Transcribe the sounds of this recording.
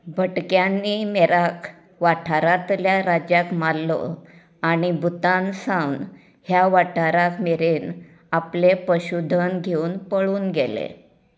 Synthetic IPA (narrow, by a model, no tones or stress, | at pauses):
bʱəʈkjanːiːmeɾak | ʋaʈʰaɾat̪ljaɾad͡ʑjakmalːɔ̰ | aɽ̃ibʱut̪ansãwn | hjaʋaʈʰaɾakmeɾen | aplepəɕud̪ʱənɡʱeuːnpəɭuːnɡelḛ